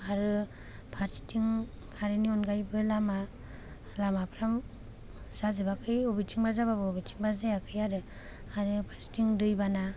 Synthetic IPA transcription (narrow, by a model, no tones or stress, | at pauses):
aɾɯ | pʰaɾsi̥tʰiŋ | kʰaɾeniɔnɡajbɯlama | lamapʰɾam | z̥azɯbakʰɯjɔbitʰiŋbazababɯɔbitʰi̥ŋbazajakʰɯjaɾɯ | aɾɯpʰaɾsi̥tiŋdɯjbana